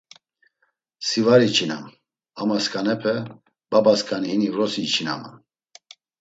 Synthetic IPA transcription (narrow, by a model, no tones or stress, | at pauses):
sivaɾit͡ʃʰina̰m | amaskʰʼanɛpʰɛ | babaskʰʼanihinivɾɔsit͡ʃʰina̰ma̰